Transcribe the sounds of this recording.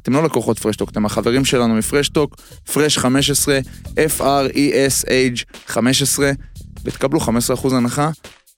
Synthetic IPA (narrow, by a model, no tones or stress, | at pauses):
at̪emlolakoχo̞t̪fʁeʃto̞kt̪e̞maχaveʁimʃe̞lanumifʁeʃt̪o̞k | fʁeʃχame̞ʃ̬esʁe̞ʔefaʁiʔesejd͡ʒχame̞ʃesʁe̞vet̪kabluχamesʁeaχuzanaχa